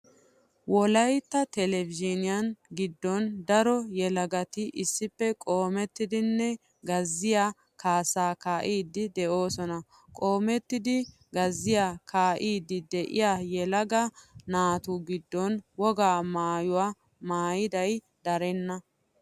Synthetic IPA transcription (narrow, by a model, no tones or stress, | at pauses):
wɔlɐjt̪ːɐt̪ɛlɛvɪd͡ʒɪnɪjɐnɡɪd̪ːɔnd̪ɐɾɔjɛlɐɡɐt̪ɪʔɪsːɪpːɛkʼoːmɛt̪ːɪd̪ɪnːɛ | ɡɐzːɪja | kaːsaːkaːʔiːd̪ːɪd̪ɛʔo̞ːsɔnɐ | kʼo̞ːmɛt̪ːɪd̪ɪ | ɡɐzːɪjakʰaːʔiːd̪ːɪd̪ɛʔɪ̰jaːjɛlɐɡɐnaːt̪uɡɪd̪ːɔnwɔɡaːmaːjʊwaː | maːjɪd̪ɐj | d̪̥ɐɾɛnːɐ